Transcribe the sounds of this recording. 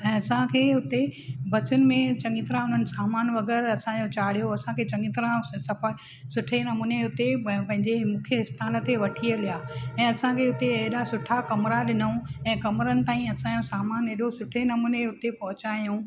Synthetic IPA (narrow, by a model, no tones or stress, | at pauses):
ɛ̃ːɐsãkʰeːɦʊt̪ebʱɐt͡ɕʊnɪ̆mẽt͡ɕɐ̃ŋɡɪt̪ɾãɦʊ̃ndənɪ̆saːmaːnʋɐɡɛːɾɐsãd͡ʑot͡ɕaːɽ̤ijoɐsãkʰeːt͡ɕɐ̃ŋɡɪt̪ɾãsɐf | sʊʈʰenɐmuːneɦʊt̪epɐ̃ɦɪ̃ɲd͡ʑemũːkʰjəɦɪst̪aːlə̆t̪eʋɐʈʰiəlijaːɛ̃ːɐsãkʰeːɦʊt̪eɐɦɪɗasʊʈʰakɐmɾaɗɪnəũɛ̃ːkɐmɾənɪ̆t̪aːĩɐsãːd͡ʑosaːmaːneːɗosʊʈʰenɐmuːneɦʊt̪epɐɦʊt͡ɕaːijũː